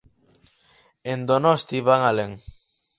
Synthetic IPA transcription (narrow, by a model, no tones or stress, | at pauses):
end̪onɔst̪iβaŋaleŋ